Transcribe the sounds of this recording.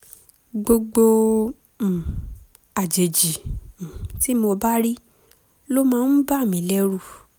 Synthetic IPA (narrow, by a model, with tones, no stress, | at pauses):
ɡ͡bo˧ɡ͡bõ˧˨ | a˨d͡ʒe˨d͡ʒĩ˨ | ti˨˦mo˧ba˦ɾi˦ | lo˦mãː˦n̩˦ba˦˨mĩ˨˦lɛ˦ɾu˦˧˨